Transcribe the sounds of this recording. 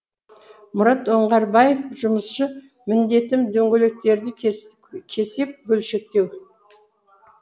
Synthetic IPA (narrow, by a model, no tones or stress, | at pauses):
mʊɾɑt̪o̞ɴʁɑɾbɑje̞fʒʊməsʃə | mɪnd̪e̞t̪ɪmd̪ɵŋɡʲelek̚t̪e̞ɾd̪ɪ | kʲʰe̞se̞p̚bɵlʃe̞k̚t̪e̞w